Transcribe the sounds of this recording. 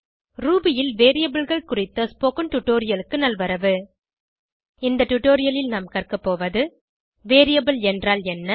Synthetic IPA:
ɾuːbɪjɪlʋeːɾɪjɐbɯlɣɐɭkʊrɪt̪ːɐspoːkɯnʈʊʈoːɾɪjɐlɯkːɯnɐlʋɐɾɐʋɯ | ɪnd̪ɐʈʊʈːoːɾɪjɐlɪlnɐmkɐrkɐpːoːʋɐðɯ | ʋeːɾɪjɐbɯlɛndraːlɛnːɐ

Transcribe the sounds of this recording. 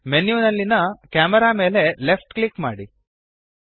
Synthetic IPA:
menjuːnɐlːinɐkaːmɐɾaːme̞ːle̞lefʈklikma̰ːɽi

